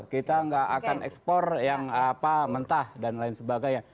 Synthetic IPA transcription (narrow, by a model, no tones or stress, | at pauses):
kit̪aŋɡaʔakanʔɛ̰kspɔrjaŋapamənt̪ahdanlaɪnsəbaɡaja